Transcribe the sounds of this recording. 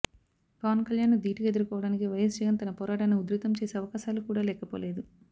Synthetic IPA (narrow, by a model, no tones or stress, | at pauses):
pɐʋɐnkɐljaːnːud̪iːʈiked̪uɾukɔːʋɐɽaːnikiʋɐjɐs̬d͡ʒɐɡɐnt̪ɐnɐpɔːɾaːʈɐniud̪ɾut̪ɐmt͡ʃeːseɐʋɐkaːʃaːlukuːɽaːlɛːkɐpo̰ːle̞ːd̪u